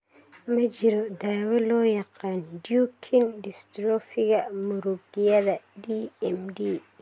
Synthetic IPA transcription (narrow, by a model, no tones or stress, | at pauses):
mɐt͡ʃɪɾɔd̪aːwɐlɔːjɑqɑːnɖjukʰɪnɖɪst̪ɾɔfɪɣɐmʊɾʊɡɪjɐðɐɖiɛmɖiː